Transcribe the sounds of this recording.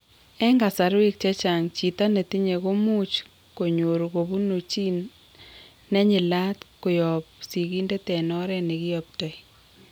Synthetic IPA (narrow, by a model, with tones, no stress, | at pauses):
ɛ˦ŋɡa˨sa˨ɾe˦k̚t͡ʃɛ˦t͡ʃa˨ŋt͡ʃi˨ta˦ne˨ti˦ɲe˨ko˦mu˦t͡ʃ | ko˨ɲo˨ɾko˨βu˦no˨t͡ʃi˦nː | ɛ˦ɲɪ˨la˦t̪kʊ˨jɔ˨p̚si˨ki˦nde˦tɛ˨nɔ˦ɾɛ˦nɪ˨kɪ˦ɔp̚tɔ˨j